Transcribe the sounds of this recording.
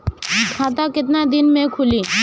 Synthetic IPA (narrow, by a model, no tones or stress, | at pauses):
kʰaːt̪̬akɪt̪nad̪ɪnmẽkʰʊliː